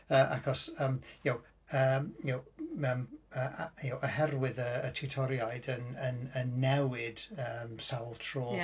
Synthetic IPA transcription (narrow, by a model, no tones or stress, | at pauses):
əːʔa̰kʰɔsəːmjow | əmjowəməːjowʔəhɛrwɪðəːtʰutʰɔɾjajdənənənːɛwɪd̥əmsalˠtʰroː